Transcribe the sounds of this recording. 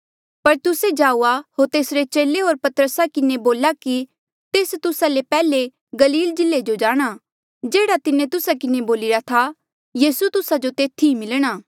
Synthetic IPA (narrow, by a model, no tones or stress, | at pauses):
pɐɾt̪ʊsed͡ʒaːuːaɦoːɾt̪eːsɾet͡ʃeːleɦoːɾpɐt̪əɾəsakɪneboːlaki | t̪eːst̪ʊsalepɛːle | ɡɐliːld͡ʒɪlːed͡ʒod͡ʒaːɽ̃a | d͡ʒeːɽat̪ɪnẽt̪ʊsakɪneboːlɪɾat̪ʰa | jiːsut̪ʊsad͡ʒot̪eːt̪ʰimɪlɽ̃aː